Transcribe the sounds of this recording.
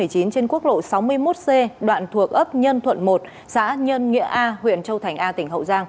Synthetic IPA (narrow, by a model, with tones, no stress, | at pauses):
ɨ˨˩əjt͡ɕi˨˦nt͡ɕe˧nku˦˥ək̚lo̰˧˨sa˨˦wmɨ˧əjmo˦˥t̚se˧ɗwa̰ː˧˨nt̪ʰu˨˩ək̚ʔə˦˥p̚ɲə˧nt̪ʰwə˧˨nmo˨˩t̚ | sa̰ː˧˥ɲə˧nŋḭ˧˥əʔaː˧hwḭ˧˨ənt͡ɕə˧wt̪ʰa˨˩jŋ̟ʔaː˧t̪ï˧˩ŋ̟ɦə̰˧˨wzaː˧ŋ